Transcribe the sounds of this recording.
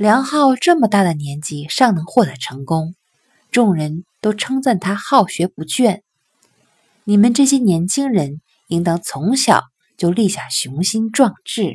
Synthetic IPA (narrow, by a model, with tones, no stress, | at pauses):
ljɑ˧˥ŋxɑ˥˧ʊʈ͡ʂɤ˥˩mə˩t̪a˥˩d̪ə˩njɛ˧˥nt͡ɕi˧˥˩ʂɑ˥˩ŋnɤ˧˥ŋxwɔ˥˩t̪ɤ˧˥ʈ͡ʂʰɤ˧˥ŋkʊ˥ŋ | ʈ͡ʂʊ˥˩ŋɻə˧˥nt̪o˥ʊʈ͡ʂʰɤ˥ŋt͡sa˥˩nt̪ʰa˥xɑ˥˩ʊɕɥɛ˧˥pu˧˥t͡ɕɥɛ˥˩n | ni˨˩mə˧˦nʈ͡ʂɤ˥˩ɕjɛ˥njɛ˧˥nt͡ɕʰi˥ŋɻə˧˥n | i˧˥ŋt̪ɑ˧˥ŋt͡sʰʊ˧˥ŋɕjɑ̰˨˩˦ʊ | t͡ɕjo˥˧ʊli˥˧ɕja˥˩ɕjʊ˧˥ŋɕi˥nʈ͡ʂwɑ˥˧ŋʈ͡ʂɻ̩˥˩